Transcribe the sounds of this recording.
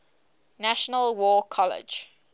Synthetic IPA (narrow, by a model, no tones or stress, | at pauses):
naʃənəlwɔːkʰɔlɪ̰d͡ʒ